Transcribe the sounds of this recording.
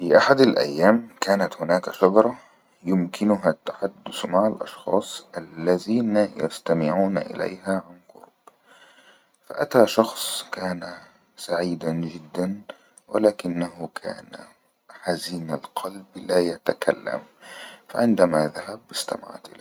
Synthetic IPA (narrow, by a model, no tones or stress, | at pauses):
fiːʔaħad̪alʔa̰jːaːmkaːnat̪hʊnaːkaʃɑd̪ɾˤɑ | jʊmkʰɪnʊɦat̪ːḁħad̪ːʊsmaʕalʔɑ̰ʃxɑ̰ːsˤʔalːaðiːnaja̰st̪amɪʕuːnʔɪ̰la̰jɦaʕanqʊ̰ɾb̥ | fa̰ʔat̪aʃɑxsˤkaːna | saʕiːd̪and͡ʒɪd̪ːan | wɪ̰laːkɪnːaɦʊkʰa̰ːna̰ | ħaziːnalqʰɑlblaːjat̪akʰa̰lːa̰mfa̰ʕɪnd̪amaðaɦabʔɪst̪a̰ma̰ʕ̰t̪ʔɪ̰lː